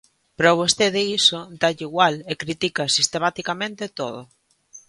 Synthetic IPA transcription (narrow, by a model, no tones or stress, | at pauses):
pɾoβ̞ost̪eðeisod̪aʎiɣwalekɾit̪ikasist̪emat̪ikamẽnt̪et̪oð̞o